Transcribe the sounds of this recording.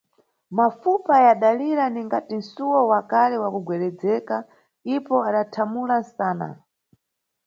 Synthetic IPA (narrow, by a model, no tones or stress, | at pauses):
mafupajaɗaliɾaniŋɡatin̩suwɔwakalɛwakuɡwɛɾɛd͡zɛka | ipɔaɗatʰamulansaːna̰